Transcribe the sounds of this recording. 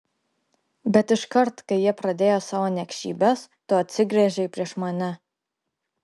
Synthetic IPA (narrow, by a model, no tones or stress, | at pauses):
bʲɛt̪ɪʃkɐɾt̪kɐɪjiɛpɾɐd̪ʲeːjoːsɑːʋoːnʲɛkʲʃʲḭːbʲɛst̪oːɐt̪ʲsʲɪɡɾʲɛʒʲɛɪpʲɾʲiɛʃmɐnʲɛ